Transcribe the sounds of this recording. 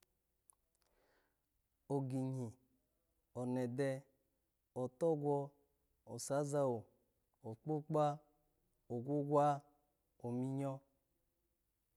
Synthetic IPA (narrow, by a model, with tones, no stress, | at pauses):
o˨ɡi˨ɲi˨ | ɔ˨nɛ˨dɛ˦ | ɔ˨tɔ˦ɡʷɔ˧ | ɔ˨sa˨˦za˦o˨ | ɔ˨k͡pu˦k͡pa˦ | o˨ɡʷu˦ɡwa˦ | o˨mi˦ɲɔ˦